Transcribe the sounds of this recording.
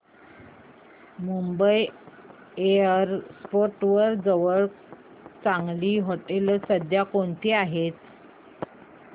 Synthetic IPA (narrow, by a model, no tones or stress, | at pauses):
mumbəj | eəɾspoɾʈʋəɾd͡zəʋəɭ | t͡sãŋɡliːɦoʈelsəd̪ʱjakoɳt̪ʰiːaɦet̪̚